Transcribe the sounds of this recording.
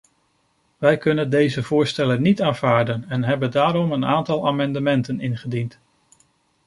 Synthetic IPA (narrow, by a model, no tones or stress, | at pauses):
ʋɛjkɵnəndejzəv̥ʊːɹstɛlənitaːnv̥aːɹdənɛnɦɛbəndaːɾɔmənaːntɑlˠaːmɑndəmɛntənɪnχədint